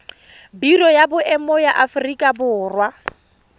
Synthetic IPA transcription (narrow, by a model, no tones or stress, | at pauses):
birɔjabʊʔɛmɔjaʔafʊrikʼabʊːrwa